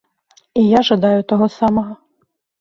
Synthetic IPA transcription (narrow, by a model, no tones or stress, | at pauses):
ijaʒɐd̪ɑjʊt̪ɔɦɔsɑmɔɦɔ